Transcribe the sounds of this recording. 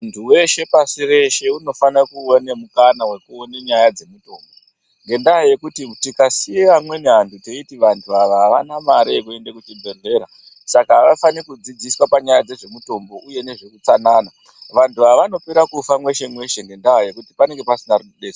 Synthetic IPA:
ntʰuwe̞ʃe̞pasiɾe̞ʃe̞uno̞fanakuonemukanawe̞kuoneɲajad͡ze̞muto̞ːmbo | ŋɡe̞ndaɦaje̞kutitikasiamwe̞neɦantʰuteitiʋantʰuaʋaɦːʋa̰namaɾiekue̞ndekut͡ʃibʱe̞ɮe̞ːɾa | sakaːʋafanikud͡zid͡ziswapaɲajad͡ze̞ʐe̞muto̞mbo̞ʔuje̞ne̞ʐe̞kut͡sanaːna | ʋantʰuaʋano̞peɾakufamwe̞ʃe̞mwe̞ʃe̞ŋɡe̞ndaɦaje̞kuti̥pane̞ŋɡe̞pasinaruɗeːt͡ʃe

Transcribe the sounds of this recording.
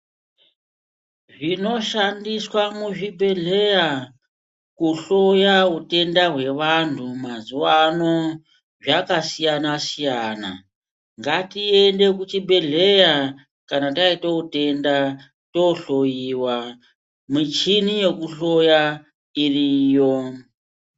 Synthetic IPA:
ʐino̞ʃandiswamuʐibʱe̞ɮe̞ja | kuɬojaute̞ndaɦwe̞ʋantʰumazuwano̞ | ʐakasijanasijaːna̰ | ŋɡatiende̞kut͡ʃibe̞ɮeja | kanataitoute̞nda | toɬojiwa | mit͡ʃinije̞kuɬo̞ja | iriːjo

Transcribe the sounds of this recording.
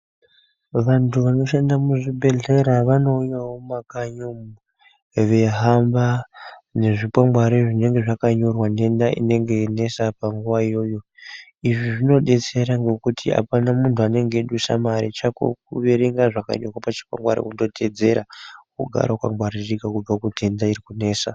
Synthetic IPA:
ʋantʰuʋano̞ʃendamuʐibʱe̞ɮe̞ɾaʋano̞ːjawo̞makaɲomu | ʋe̞ɦambane̞ʐipwamɡwaɾiʐine̞ŋɡe̞ʐakaɲo̞rwane̞ndaḭne̞ŋɡe̞ne̞sapaŋɡuʋaijo̞jo̞iʐiʐino̞ɗe̞t͡se̞ɾaŋɡe̞kutʰia̰panamuntuane̞ŋɡe̞ɗusa̰maɾit͡ʃako̰k̚uʋeɾeŋɡaʐaka̰ɲorwapat͡ʃi̥pwa̰mɡwa̰ɾo̰kundo̞tʰe̞d͡ze̞ɾa̰kuɡʱa̰ɾakwa̰mbwaɾirikakub͡vakutiendaiɾikune̞ːsa

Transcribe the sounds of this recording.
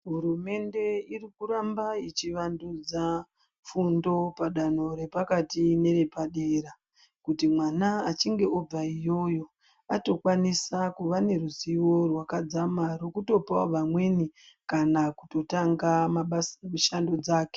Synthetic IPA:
ɦuɾume̞nde̞irikuɾambait͡ʃiʋandud͡za | fundo̞paɗano̞ɾe̞pakatine̞ɾe̞paɗe̞ɾa | kutimwanaːt͡ʃiŋɡe̞ob͡vaijo̞jo̞ | ato̞kwanisakuʋane̞ruziwo̞rwakad͡zamaro̞kuto̞pawoʋamwe̞ni | kanakuto̞taŋɡamaɓasmiʃando̞d͡zaːke̥

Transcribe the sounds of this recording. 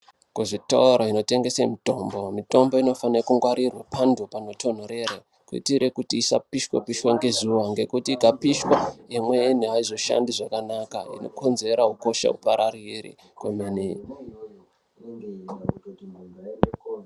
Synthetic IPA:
kuʐita̰uɾoino̞te̞ŋɡe̞semito̞mbo̞mito̞mbo̞ino̞fanekuŋɡwaɾirwapʰandupano̞to̞n̤oɾe̞ɾe | kuḭtiɾe̞kutiːsa̰piʃwa̰piʃwaŋɡe̞zuʋaŋɡe̞kutiɡʱapiʃwaimweniaizo̞ʃa̰ndiʐakanaka̰ḭno̞̰ko̞nze̞ɾauko̞ʃa̰ṵpaɾarirḭ | kwemene

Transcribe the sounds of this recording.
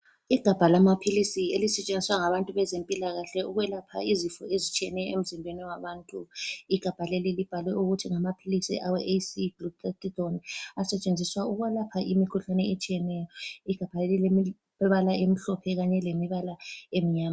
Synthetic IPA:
iɡ̥ʱab̥ʱalamapʰilisielisɛt͡ʃʼend͡zʱiswaŋaβantʼuβɛzempʼilaɣaɬɛuɣwɛlapʰa̰izifɔezit͡ʃʰʼiɛnɛjɔem̩zimbʱwenɛwaβaːntʼuiɡ̥ʱab̥ʱalelilib̥ʱalwɛuɣutʰiŋamapʰilisḭʔawɛʔesiɡlut̪ʰetʼitɔnasɛt͡ʃʼend͡zʱiswauɣwalapʰaʔimikʰuɬanɛet͡ʃʼijɛnɛjɔiɡ̥ʱab̥ʱalelilem | βalaʔem̩ɬɔpʰɛɣaɲɛlemiβalaem̩ɲaːma

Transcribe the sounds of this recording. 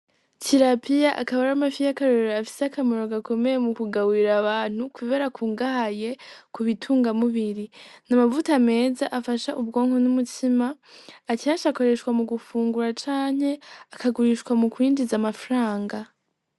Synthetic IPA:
tʰiɾapijaʔakaβaɾamafijakaɾoɾeɾoafi̥seakamoɾoɡako̞me̞jemukuɡawiɾaβaːn̥hukʰuβe̞ɾakʰuːŋɡahaje̞kuβitʰuːŋɡamuβiɾinamavutame̞ːzaʔafaʃaʔubɡo̞ːŋhonumutʰimaː | ciaʃako̞ɾe̞ʃkwamuɡufuːŋɡuɾat͡ʃaːɲ̥he̞akaɡuɾiʃkwamukwiːndizamafɾaːŋɡa

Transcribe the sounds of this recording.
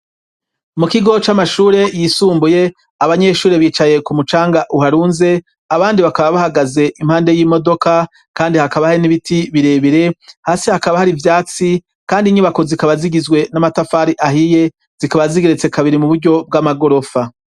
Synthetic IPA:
mukiɡo̞t͡ʃamaʃuːɾe̞jisuːmbuje̞ | aβaɲe̞ʃuːɾeβiːt͡ʃaje̞kumut͡ʃaːŋɡaʔuɦaɾuːnze̞ | aβaːndiβakaβaβahaɡaze̞ʔimhaːnde̞jiːmo̞do̞ka | kaːndihakaβahainiβitiβiɾe̞ːβiɾe̞haːsihakaβahaɾivjaːt͡si | kaːndiɲiβako̞zikaβaziɡizɡwe̞namatafaːɾiʔaɦije̞ | z̥ikaβaziɡeɾet͡se̞kaβiɾimuβuɾɟo̞b̚ɡamaɡo̞ɾo̞fa

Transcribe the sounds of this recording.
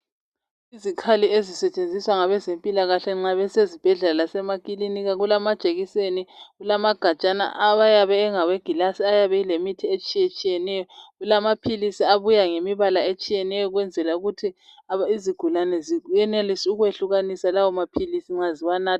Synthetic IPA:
izikʰaliezisɛt͡ʃʼend͡zʱiswaŋaβɛzempʼilaɣaɬɛŋ͡ǁaβɛsezib̥ʱɛɮaalasɛmakʼiliniɣaɣulamad̥t͡ʃʼeɣiseniɣulamaɡ̥ʱat͡ʃʼana̰ʔaβajaβɛːŋaweɡ̥ʱilasiajaβɛilemitʰiet͡ʃʼijet͡ʃʼijɛnɛjɔɣulamapʰilisiaβujaŋemiβalaet͡ʃʼijɛnɛjɔɣwɛnd͡zʱɛlauɣutʰi | aiziɡ̥ʱulanɛzijɛnelisiuɣweɬuɣanisalawɔmapʰilisiŋ͡ǁaziwanaː

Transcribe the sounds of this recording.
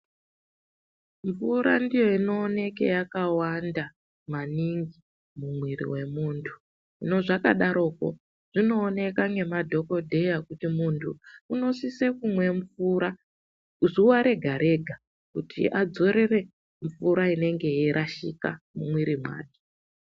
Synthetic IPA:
ɱfuɾa̰ndijo̞ino̞ːne̞kḛjakawanda | maniŋɡi | mumwirḭwe̞muːntʰu̥ | ino̞ʐaka̰ɗaɾo̞ːko̰ | ʐ̥ino̞ːne̞kaŋɡe̞madʱo̞ko̞dʱe̞jakutimuntʰuuno̞sise̞kumwe̞ɱfuɾa | ʐuwaɾe̞ɡʱaɾe̞ɡʱa | kutʰḭʔad͡zo̞ɾe̞re̞ | ɱfuɾaine̞ŋɡe̞jiɾʔaʃika̰mumwiɾimwa̰ːti̥

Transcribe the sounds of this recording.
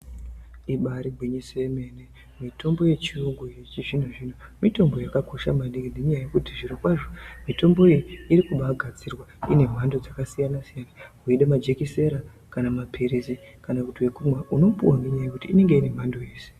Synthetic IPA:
iɓaɾiɡʱwiɲiseeme̞ne | mitʰo̞mbo̞je̞t͡ʃiruŋɡujet͡ʃiʐin̤uʐinomito̞mbo̞jakako̞ʃa̰maniɡindeɲajaje̞kutiʐiɾikwaʐomito̞mbo̞ijiiɾikuɓaɡʱad͡zirwaḭne̞m̤ando̞d͡zakasijanasijanaɦuiɗamad͡ʒe̞kise̞ɾa | kanamapʰiɾizi | kanakutiwe̞kumwaʔuno̞mpṵwaŋɡeɲajekutiːne̞ŋɡe̞ine̞m̤andoe̞ːse̥

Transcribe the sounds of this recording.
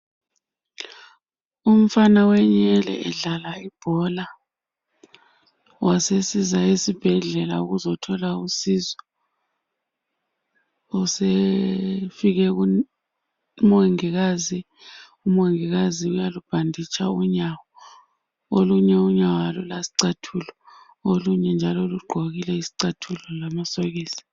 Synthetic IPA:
um̩fanawɛɲɛlɛ̰ɛɮalaib̥ʱɔla | wʔasesizaisib̥ʱɛɮɛlauɣuzɔtʰɔlausizɔ | use | fiɣɛu | moŋiɣazi | umoŋiɣaziujalub̥ʱandʱit͡ʃʰʼauɲawɔ | oluɲɛuɲawalɔlasi̥ǀatʰulɔ | oluɲɛnd͡ʒʱaloluɡ͡ǃʱoɣilɛisi̥ǀatʰulɔlamasoɣiːli

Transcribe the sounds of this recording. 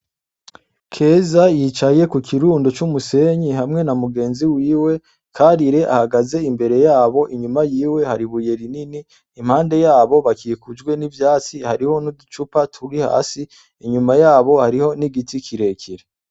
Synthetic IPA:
kʰe̞ːzajit͡ʃaje̞kukʰiɾuːndo̞t͡ʃumuse̞ɲiɦamŋe̞namuɡe̞ːnziwiːwe̞ | kʰaːɾiɾe̞ʔa̰haɡaze̞imbe̞ɾe̞jaːβo̞ʔiɲumajiːwe̞haɾiβuje̞ɾininiː | m̥haːnde̞jaːβo̞βakikud͡ʒɡwe̞nivjaːt͡sihaɾiho̞nudut͡ʃupatʰuɾiha̰ːsi | iɲumajaːβo̞haɾiho̞niɡitikʰiɾe̞kʰiɾe

